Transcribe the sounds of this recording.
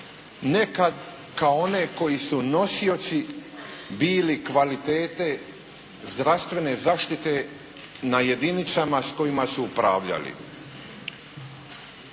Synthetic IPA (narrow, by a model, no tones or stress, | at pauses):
ne̞kad̪ | kaoone̞ko̞jisuno̞sio̞t̪si | biːlikʋalit̪e̞ːt̪e̞ | zd̪ɾast̪ʋe̞ne̞zaːʃt̪it̪e̞ | naje̞d̪init̪samasko̞jimasuupɾa̰ːʋʎa̰lḭ